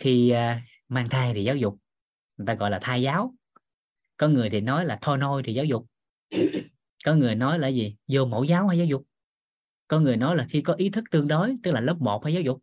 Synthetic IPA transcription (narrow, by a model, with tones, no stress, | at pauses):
xi˧ | maː˧ŋt̪ʰaː˧jt̪ʰi˨˩zaː˨˦wzʊ˨˩k͡p̚ | ŋ˨˩t̪aː˧ɣɔ̰˧˨jlaː˨˩t̪ʰaː˧jzaː˨˦w | kɔ˨˦ŋɨ˨˩əjt̪ʰi˨˩nɔ˨˦jlaː˨˩t̪ʰɔ˧jno˧jt̪ʰi˨˩zaː˨˦wzʊ˨˩k͡p̚ | kɔ˨˦ŋɨ˨˩əjnɔ˨˦jla̰ː˧˩jzi˨˩zo˧˩mə̰˧˩˦wzaː˨˦wfaː˧˩jaː˨˦wzʊ˨˩k͡p̚ | kɔ˨˦ŋɨ˨˩əjnɔ˨˦jlaː˨˩xi˧kɔ˨˦ʔi˨˦t̪ʰɨ˦˥k̚t̪ɨ˧əŋɗo˨˦jt̪ɨ˦˥k̚laː˨˩ləː˦˥p̚mo˨˩t̚faː˧˦za˨˦wzʊ˨˩k͡p̚